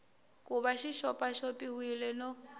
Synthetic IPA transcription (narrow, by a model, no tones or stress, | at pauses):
kʼuβaʃiʃɔpʼaʃɔpʼihwilɛnɔ